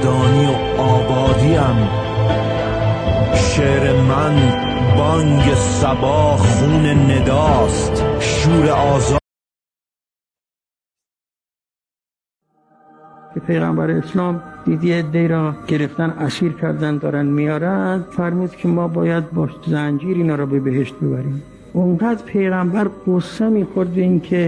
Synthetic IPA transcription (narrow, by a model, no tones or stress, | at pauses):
d̪ɒːniː | ɒːbɒːd̪iæm | ʃeːɾemæn | bɒːŋɡesæbɒːhɣuːnened̪ɒːst̪ʃuːɾeʔɒːz | kʰepʰejɣæ̰mbæɾeeslɒːmd̪̥iːd̪ied̪ːeiːɾɒːɡ̥e̞ɾe̞ft̪ænæsiːɾkʰæɾd̪ænd̪ɒːɾænd̪mijɒːɾænd̪̥fæɾmuːd̪kʰemɒːbɒːjæd̪̚bɒːʃzænd͡ʒiːɾiːnɒːɾɒːbebeɦe̞ʃt̪̚be̞bæɾiːm | oŋɢæd̪pʰejɣæmbæɾɡosemiːxoɾd̪̚beiːnkʰe